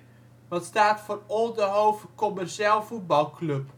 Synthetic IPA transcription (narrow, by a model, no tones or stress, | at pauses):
ʋɑtstaːtfoːrɔlˠdəɦowvəkɔmɛrʃeːlˠvut̚bɑlˠklɵp